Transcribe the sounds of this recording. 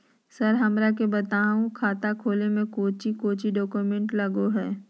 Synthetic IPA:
sɐɾɦɐmɾak̬ebɐt̪aːũkʰaːt̪akʰoːlemẽkoːt͡ʃikoːt͡ʃiɖɔːkumẽɳʈlɐɡoɦɛː

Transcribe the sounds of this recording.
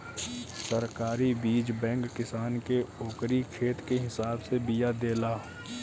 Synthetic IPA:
səɾkaːɾibiːd͡ʒbɛ̃ːŋkːɪsaːnkeoːkɾikʰeːt̪keɦɪsaːbsebijad̪eːlaː

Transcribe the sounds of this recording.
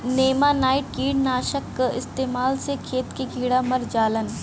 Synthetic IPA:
neːmanaːiʈkiːɽnaːʃəkːɪ̰st̪eːmaːlsekʰeːt̪kekiːɽamɐɾd͡ʒaːlən

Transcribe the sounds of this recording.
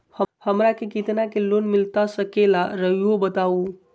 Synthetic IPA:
həhəmɾakekit̪nakelonmilt̪asəkelaɾəɦiobət̪au

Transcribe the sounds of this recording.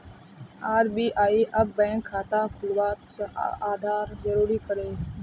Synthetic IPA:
aːɾbiːʔaːiːʔəb̚ːɛ̃ːŋkʰːaːt̪aːkʰʊlʋaːt̪səaːd̪ʱaːɾzəɾuːɾiːkəɾeː

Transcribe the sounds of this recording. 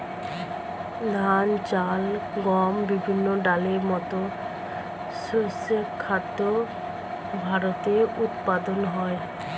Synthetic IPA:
d̪ʱant͡ɕalɡɔmbibʱinːoɖaleɾmɔt̪o | sosekʰːad̪o | bʱaɾot̪eɾut̪pad̪onɦɔe

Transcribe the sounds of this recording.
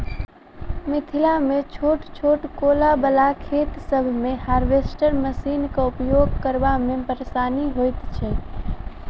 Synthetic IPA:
mɪt̪ʰilamet͡ʃʰoʈt͡ʃʰoʈkolabəlakʰet̪səbʱmehaɾbesʈəɾməsinkeupjoɡkəɾbamebəɾesaːniɦojt̪t͡ʃʰɛ

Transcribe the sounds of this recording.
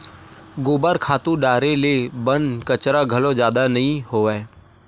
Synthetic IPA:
ɡʊːbəɾkʰaːt̪ũɖaːɾelebənkət͡ʃɾaɡʱəlõd͡ʒjaːd̪anɐɦĩɦoːɛ

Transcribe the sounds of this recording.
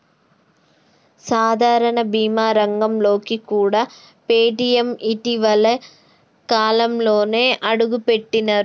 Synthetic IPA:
saːd̪ʱaːɾɐɳɐbiːmaːɾɐŋɡɐmloːkːikːuːɽɐ | peːʈijɐmitːiʋɐlɐ | kaːlɐmloːneʔɐɽuɣupːeʈːinɐɾ

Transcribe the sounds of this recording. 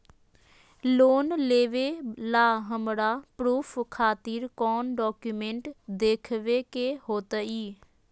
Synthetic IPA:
loːnleːʋeːlaːɦəmɽaːpɾuːpʰkʰaːt̪iɾkɔːnɖɔːkjumẽɳʈd̪eːkʰʋekeɦoːt̪əiː

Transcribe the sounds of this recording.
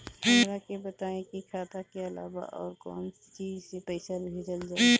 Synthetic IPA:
mɾakebət̪aːẽkikʰaːt̪akeɐla̰ːba̰ʔɔːɾkɔ̰ːn | t͡ʃiːd͡ʒsepəɪsalbʱed͡ʒəld͡ʒaː

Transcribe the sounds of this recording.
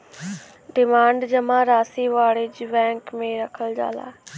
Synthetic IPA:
ɖɪmaːɳɖd͡ʒəmãɾaːsiʋaːɭed͡ʒʋɛ̃ːŋkmẽɾəkʰəld͡ʒa̰ːla̰ː

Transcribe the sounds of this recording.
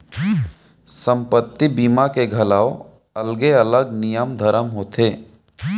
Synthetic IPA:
sə̃mpət̪ːibiːmakeɡʱɐlaːo | ɐlɡeələɡnɪjəmd̪ʱəɾəmɦoːt̪ʰeː

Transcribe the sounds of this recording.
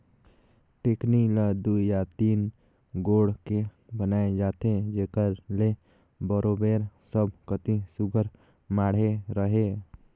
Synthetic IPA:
ʈeːkniləd̪ujat̪iːn | ɡoːɽke | bənaːed͡ʒaːt̪ed͡ʒeːkəɾle | bɔɾoːbeːɾsəbʱkət̪isʊɡʱəɾ | maːɽ̤eɾəɦeː

